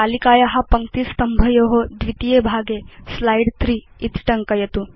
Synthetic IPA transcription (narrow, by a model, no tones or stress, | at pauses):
aːlikaːjɐɦɐ̆pɐŋkt̪ist̪ɐmbʱɐjoːɦod̪ʋit̪ijeːbʱaːɡeslɐjɖt̪ɾiːt̪ʈɐŋkɐjɐt̪u